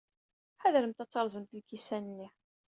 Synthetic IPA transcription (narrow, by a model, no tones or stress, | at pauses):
ħaðɾəmt̪æt͡sːɑɾˤzˤəmt̪lkisænənːiħ